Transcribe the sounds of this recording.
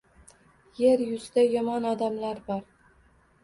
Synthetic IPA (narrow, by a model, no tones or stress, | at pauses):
jeɾjʊzd̪ajɒmɒnɒd̪amlaɾbɒɾ